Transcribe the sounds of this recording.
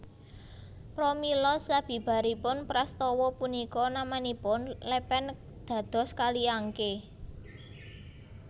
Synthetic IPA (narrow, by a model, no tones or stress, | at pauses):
pɾomilɔsab̥i̤b̥a̤ɾipʊnpɾast̪ɔwɔpunikɔnamanipʊnlepɛn | d̪̥ä̤d̪̥ɔ̤skaliaŋke